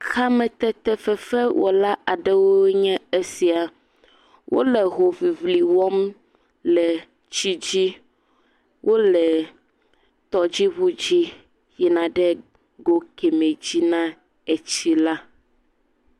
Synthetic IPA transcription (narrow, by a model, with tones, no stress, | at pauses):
xa˦mɛ̃˨t̪ɛ˦t̪ɛ˦fɛ˦fɛ˦wʔɔ̰˨la˦ʔa˨ɖɛ˦wo˦ɲɛ̃˦e˦si˨a˨ | wʔo̰˦lɛ˨ɦo˨vi˨vli˨wɔ˦m | lɛ˨ | t͡ɕi˦d͡ʑi˦ | wʔo˦lɛ˨ | t̪ɔ˨d͡ʑi˦βu˦d͡ʑi˦ | ji˨nã˨ɖɛ˦ | ɡo˦kɛ˨mẽ˨d͡ʑi˦nã˦ | e˨t͡ɕi˦la˦